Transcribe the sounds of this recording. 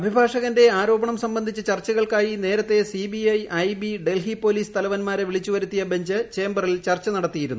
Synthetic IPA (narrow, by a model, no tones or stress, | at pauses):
ɐbʱibʱaːʂɐɣɐnde̞aːɾo̞ːbɐɳɐmsɐmbɐnd̪ʱit͡ɕːɨt͡ɕɐrt͡ɕːɐɣɐɭkaːjine̞ːɾɐt̪ːe̞sibiɐjɐjbiɖe̞lɦipo̞ːliːst̪ʰɐlɐʋɐnmaːɾeʋiɭit͡ɕːuʋɐɾut̪ːijɐbʱeɲd͡ʑɨt͡ɕe̞ːmbɐrilt͡ɕɐrt͡ɕːɐnɐɽɐt̪ːijiɾunːu